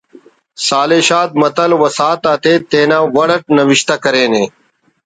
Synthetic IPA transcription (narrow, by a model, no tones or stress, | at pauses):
saːleːɕaːt̪̚mɐt̪ɐlwɐsaːt̪aːt̪eːt̪eːnaːwɐɽɐʈ̚nɐwiɕt̪ɐkɐɾeːneː